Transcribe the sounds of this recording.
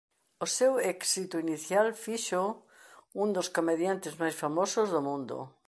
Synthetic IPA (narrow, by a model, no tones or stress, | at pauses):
osewɛksit̪uiniθjalfiʃo | ũnd̪oskomeðjant̪ezmajsfamosozðomũnd̪o̰